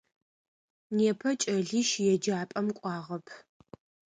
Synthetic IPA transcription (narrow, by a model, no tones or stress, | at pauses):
neːpʰɐt͡ʃʼɐɮiːʃjɛd͡ʒaːpʼɐmkʷʼɑːʁɐpʰ